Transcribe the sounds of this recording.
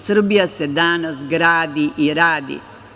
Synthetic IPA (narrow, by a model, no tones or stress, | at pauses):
sɾbjɐsjɐd̪aːnɐsɡɾaːd̪iʔiɾaːd̪ḭ